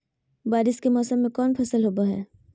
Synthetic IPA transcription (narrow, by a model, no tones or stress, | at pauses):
baːɾɪskemɔːsəmːẽkɔːnpʰɐsəlɦoːbaɦɛ̰̃ː